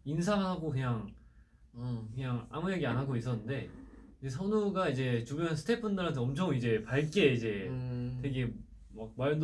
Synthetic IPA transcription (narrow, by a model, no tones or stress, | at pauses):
ins̬ʰaŋɦaɡokɯɲaŋ | kɯɲaŋa̰mujeɡianɦaɡois͈ʌnːɯnde̞id͡ʑesʰʌnuɡaid͡ʑe̞t͡ɕumjʌnsʰɯ̥tʰepʰʌndɯɾɦantʰeʌmt͡ɕʰʌŋid͡ʑe̞paɭk͈e̞id͡ʑe̞te̞ɡe̞ | mak̚maɭnd